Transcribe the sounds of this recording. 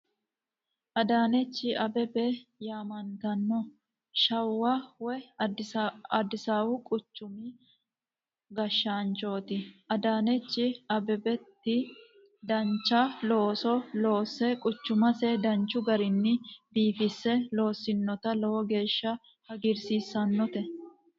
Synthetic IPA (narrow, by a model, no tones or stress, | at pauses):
ʔɐd̪aːnɛt͡ʃːɪʔɐbɛbɛjaːmɐnt̪ɐnːɔ | ʃɐwːawɛ | ɐd̪ɪsaːwʊkʼʊt͡ʃːʊmɪ | ɡɐʃːaːnt͡ʃoːt̪ɪʔɐd̪aːnɛt͡ʃːɪɐbɛbɛt̪ːɪ | d̪ɐnt͡ʃːɐloːsɔloːsɛkʼʊt͡ʃːʊmɐsɛd̪ɐnt͡ʃːʊɡɐɾɪnːɪbiːfɪsːɛlo̞ːsːɪnːɔt̪ɐlɔwɔɡe̞ːʃːɐ | hɐɡɪɾsiːsːɐnːɔt̪ɛ